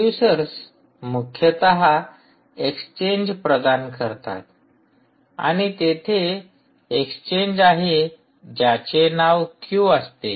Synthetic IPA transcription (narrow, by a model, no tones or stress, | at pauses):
usəɾs | mukʰjət̪əɦa | eksə̥t͡ɕeɲd͡ʑpɾəd̪ankəɾt̪a̰t̪ | a̰ñit̪et̪ʰeː | kst͡ɕeɲd͡ʑaɦe | d͡ʑjat͡ɕenaʋkʰjuəst̪e